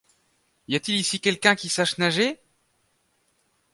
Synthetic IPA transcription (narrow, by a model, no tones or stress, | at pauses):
jat̪ilisikʲɛlkʲɛ̃kʲisaʃnaʒe